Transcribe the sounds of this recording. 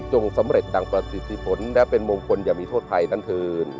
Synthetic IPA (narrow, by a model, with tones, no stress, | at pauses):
t͡ɕo˧ŋsa˩˦mɾe˨˩t̪̚da˧˩ŋpɾa˧si˨˩t̪̚ʰːi˧˩pʰo˨˩˦nlɛː˦˥wpe˧nmoː˧ŋkʰo˧njaː˨˩miː˧oː˥˩t̪ʰːa˧jna˦˥nt̪ʰɯː˧n